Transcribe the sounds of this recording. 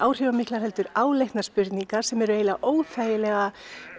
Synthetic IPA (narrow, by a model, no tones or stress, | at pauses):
aːwr̥jœvamiklaɾhɛlt̪ʏɾaːwlejhkt̪naspʏɾt̪niŋkḁsɛmɛɾʏeːjlaʔoːwθʰaːjɪlɛɣa